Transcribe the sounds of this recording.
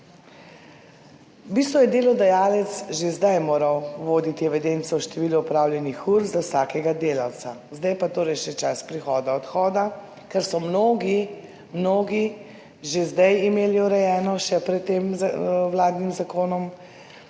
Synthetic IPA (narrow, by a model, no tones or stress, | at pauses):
biːst̪ʋɔjɛd̪eːlɔd̪ɛjaːlɛt̪sʒezd̪ajmoːɾawʋoːd̪it̪ijɛʋɛd̪eːnt̪sɔwʃt̪ɛʋiːlɔupɾaːwljɛnixuɾzawsakɛɡad̪eːlaw̪sa | zd̪ajpat̪oːɾɛjʃɛt͡ʃaspɾixɔːd̪aɔt̪xɔːd̪a | kɛɾsɔmnoːɡi | mnoːɡi | ʒezd̪ajimeːliuɾɛjɛːnɔʃɛpɾɛt̪ːeːmwlaːd̪nimzakoːnɔm